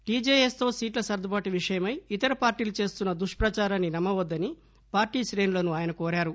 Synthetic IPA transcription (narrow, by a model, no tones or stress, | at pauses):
ʈiːd͡ʒeːjest̪o̞ːsiːʈlɐsɐɾd̪ʱɐbaːʈiʋiʂɐjɐmɐjit̪ɐɾɐpaːɾʈiːlut͡ʃe̞ːst̪unːɐd̪uʂpɾɐt͡ʃaːɾaːnːinɐmːɐʋɐd̪ːɐni | paːɾʈiːʃɾe̞ːnulɐnuaːjɐnɐkoːɾaːɾu